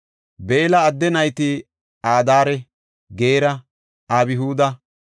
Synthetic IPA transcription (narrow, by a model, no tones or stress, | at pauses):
be̞ːlɐːd̪ːɛnɐjt̪ɪ | aːd̪aːɾɛ | ɡeːɾɐ | aːbɪɦuːd̪ɐ